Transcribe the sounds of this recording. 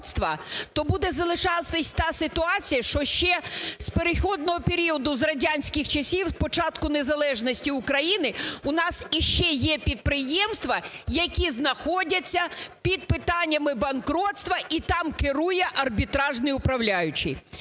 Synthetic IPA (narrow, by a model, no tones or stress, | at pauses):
t̪st̪ʋɐt̪ɔbud̪ɛzɐlˠɪʃɑt̪ɪsʲt̪ɑsɪt̪ʊɑt͡sʲijɐʃt͡ʃɔʃt͡ʃɛspeɾɪxɔd̪̚nɔɦɔpʲeɾʲiɔd̪ʊzrɐdʲanʲsʲkɪxt͡ʃɐsʲiwspɔt͡ʃɑt̪kʊnezɐlˠɛʒnɔsʲtʲiʊkɾɐjinɪʊnɑsiʃt͡ʃɛjɛpʲid̪̚pɾɪjɛmst̪ʋɐjɐkʲiznɐxɔdʲɐt͡sʲːɐpʲid̪̚pɪt̪ɑnʲːɐmɪbɐnkɾɔt̪st̪ʋɐʔit̪ɑmkɪɾujɛʔɐrbʲit̪ɾɑʒnɪjʊpɾɐwlʲajʊt͡ʃɪ̰j